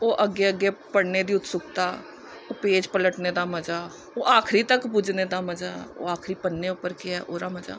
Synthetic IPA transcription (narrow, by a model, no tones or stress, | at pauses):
oːʔəɡːeəɡːepəɽned̪iːʊt̪sʊkt̪aː | oːpeːd͡ʒpələʈned̪aːməd͡ʒaː | oːʔaːkʰɾit̪əkbʊd͡ʒned̪aməd͡ʒaːo̰ːaːkʰɾipənːeʊpəɾkɪɛːʔoːɾaːməd͡ʒa̰ː